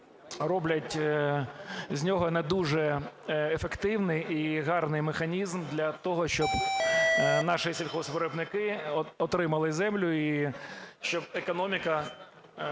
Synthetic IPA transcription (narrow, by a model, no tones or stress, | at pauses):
rɔblʲɐtʲ | zʲnʲɔɦɔnɛd̪uʒɛefekt̪ɪwnɪjiɦɑrnɪjmexɐnʲizmd̪lʲɐt̪ɔɦɔʃt͡ʃɔb | nɑʃɨsʲilʲxɔsʋɔɾebnɪkɪɔt̪ɾɪmɐlˠɪzɛmlʲʊi | ʃt͡ʃɔb̚ekɔnɔmʲikɐ